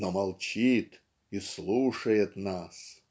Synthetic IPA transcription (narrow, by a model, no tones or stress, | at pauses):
nomalˠt͡ɕit̪ | islˠuʂɐjɪt̪nas